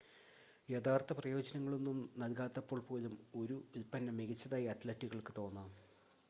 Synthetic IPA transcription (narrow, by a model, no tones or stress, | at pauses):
jet̪ʰaːrt̪ɐprɐjo̞ːd͡ʑɐnɐŋːɐɭonːumnɐlkaːt̪ːɐpːo̞ːɭpo̞ːlumo̞ɾuipːɐnːɐmeɣit͡ɕːɐðaːjɐɐt̪lɐtːiɣɐɭkɨt̪o̞ːnːam